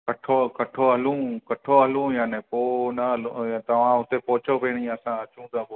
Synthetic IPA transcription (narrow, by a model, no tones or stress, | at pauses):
kɐʈʰokɐʈʰoɦɐlũːkɐʈʰoɦɐlũːjaːnẽpoːnɐɦlt̪ɐʋ̤ãɦʊt̪epɔɦʊt͡ʃʰopeːɽ̃ĩːɐsãɐt͡ʃũːt̪ʰaːbo